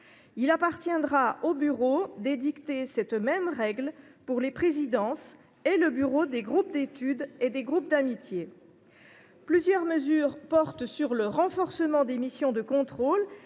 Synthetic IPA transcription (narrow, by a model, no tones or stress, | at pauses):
ilapaʁt̪jɛ̃d̪ʁaʔobyʁod̪ed̪ikt̪esɛt̪mɛmʁɛɡl | puʁlepχezid̪ɑ̃s | eləbyʁod̪eɡʁup̚d̪et̪yd̪ed̪eɡʁup̚d̪amit̪je | plyzjœʁməzyːʁpɔʁt̪syʁləʁɑ̃fɔʁsəmɑ̃d̪emisjɔ̃d̪əkɔ̃t̪χol